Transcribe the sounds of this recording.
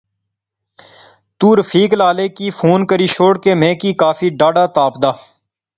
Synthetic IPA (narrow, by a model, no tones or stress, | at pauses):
t̪uːɾəfʰiːklaːleːkiːfʰuːnkəɾiːʃoːɽkeːmẽːkiːkaːfiːɖaːɖaːt̪aːpd̪aː